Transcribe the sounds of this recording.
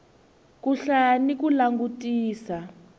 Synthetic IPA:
kuɬanikulaŋɡutiːsa

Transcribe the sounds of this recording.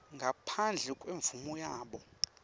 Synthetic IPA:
ŋɡʱapʰand͡ɮʱɛkʼweɱvumɔjaːɓɔ

